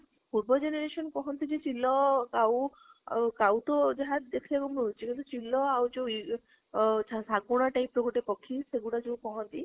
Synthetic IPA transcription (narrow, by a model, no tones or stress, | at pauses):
puɾbɔd͡ʒeneɾesɔnkɔɦɔnt̪id͡ʒet͡ʃilːɔkaw | kawt̪ɔd͡ʒaɦad̪ekʰilekumut͡ʃikint̪ut͡ʃilːɔawt͡ʃew | ssaɡuɽ̃ɔʈajpɾɔkuʈepɔkʰːiseɡuɽat͡ʃeũkɔɦɔnt̪i